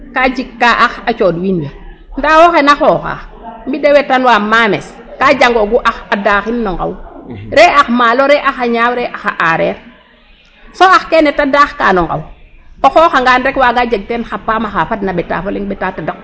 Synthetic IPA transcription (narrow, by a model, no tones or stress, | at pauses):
kad͡ʒikːaːʔaxat͡ʃɔdwinwɛndawɔxenaxɔxa̰ | midɛwɛtanwaːmaːmɛs | kaːd͡ʒaŋɡɔɡuʔaxadaːxinːɔŋɡa̰wɾɛaxmaːlɔɾɛʔaxaɲaːwɾɛʔaxaʔaːɾɛːɾ | sɔaxkɛnɛtadaːxkaːnɔŋɡa̰wkoxɔːxaŋɡaːnɾɛkwaɡad͡ʒaɡ̚tɛnxapːaːmaxafadnaɓɛta̰ːfolɛŋɓɛtatadak̚